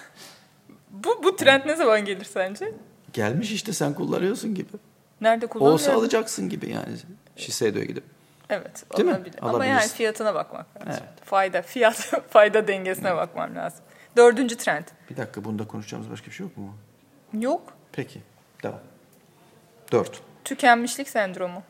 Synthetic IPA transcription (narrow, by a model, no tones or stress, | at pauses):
bubut̪ʰɾænt̪nezamanɟe̞lʲiɾsænd͡ʒɛ | ɟælʲmiʃiʃt̪ʰɛsænkulˠːa̰nɯjosunɟibɪ | næɾd̪ɛkʰuloasoaaːlˠɯd͡ʒaksɯnɟibḭja̰ːnɪ̰ | ʃised̪o̰jɛ̰ɟid̪ip̚ | evɛt̪o̰emˠabilʲɛa̰laabmajaːnifijat̪ʰɯnaba̰kma̰klʲaevɛt̪fajd̪afijat̪fajd̪ad̪ɛɲɟe̞sinɛbakma̰mlʲa̰ːz̥ɯmd̪ø̞ɾd̪ynd͡ʒyt̪ʰɾænt̪b̥id̪akʰːabund̪akʰonuʃd͡ʒa̰ːmɯzba̰ʃkʰabiʃejokmumʊ | jokpʰecʰɪ | d̪avam | d̪̥øɾt̪t̪ʰycʰænmiʃlʲicʲsænd̪ɾo̞mʊ